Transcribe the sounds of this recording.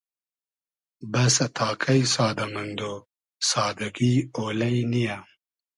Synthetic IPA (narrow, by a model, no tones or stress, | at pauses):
bɐsɐt̪ʰaːkʰɐisaːd̪ɐmɐnd̪oː | saːd̪ɐɡioːlɐjinija